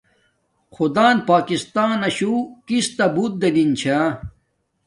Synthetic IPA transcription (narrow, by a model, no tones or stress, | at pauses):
xud̪aːnpaːkist̪aːnɐɕukist̪ɐbut̪̚d̪elint͡ɕʰa